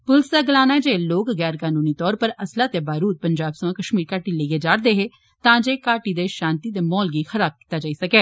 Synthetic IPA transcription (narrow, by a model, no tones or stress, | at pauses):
pʊlsaːɡɪlaːnaːɛːd͡ʒeːloːkɣɛːɾkaːnuːniːt̪ɔːɾpəɾəslaːt̪eːbaːɾuːt̪̚pəɲd͡ʒaːbsəʋãːkəʃmiːɾkaːʈileiːeːd͡ʒaːɽd̪eːɦeː | t̪ãːd͡ʒeːkaːʈid̪eːʃãːnt̪iːd̪eːmɔːlɡiːxəɾaːb̚ki̥t̪aːd͡ʒaːiːsəkɛː